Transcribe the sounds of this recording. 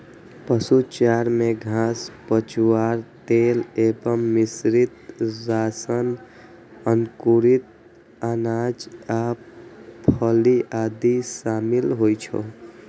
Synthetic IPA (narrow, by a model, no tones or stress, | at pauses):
pəsut͡ʃaɾmeɡʱãspət͡ʃuwaɾt̪elebəmːisɾit̪zasən | ənkuɾit̪̚ | anad͡ʒa | pʰəliʔad̪isamilɦojt͡ʃʰo̰